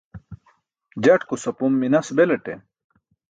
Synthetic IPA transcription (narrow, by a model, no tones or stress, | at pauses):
d͡ʑɐʈkusɐpumːinɐsbeleʈḛ